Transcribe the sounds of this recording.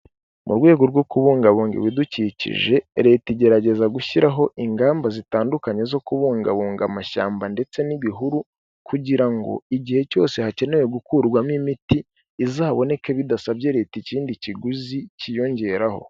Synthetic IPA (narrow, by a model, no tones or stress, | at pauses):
mṵɾɡwe̞ːɡoɾɡwokuβuːŋɡaβuːŋɡḛwiducicḭʒe̞ɾe̞ːtiɟe̞ɾaɟe̞zaɡuçiɾaɦo̞ʔiŋɡaːmbazitaːndukaɲe̞zo̞kuβuːŋɡaβuːŋɡamaʃa̰ːmbande̞t͡se̞niβiɦuɾu | kʰuɟiɾaŋɡo̞̰iɟihe̞co̞̰ːse̞hace̞newe̞ɡukuɾɡwamimitiː | zaːβo̞ne̞keβidasaβɟe̞ɾe̞ːticiːndiciɡuzicijo̞ɲɟe̞ɾaho̞̰